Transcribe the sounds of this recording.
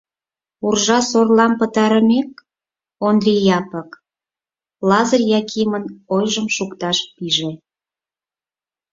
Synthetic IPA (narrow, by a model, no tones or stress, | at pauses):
urʒɑsorlɑmpət̪ɑɾəmek̚ | ond̪rʲijɑpək | lɑzərjɑkʰimənojʒəmʃukt̪ɑʃpiʒe